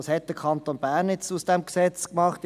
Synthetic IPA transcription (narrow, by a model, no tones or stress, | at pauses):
ɑshɛt̚d̥əkʰɑnt̪oːnbæːʁnɛt͡susd̥ɛmksɛt͡skmɑχt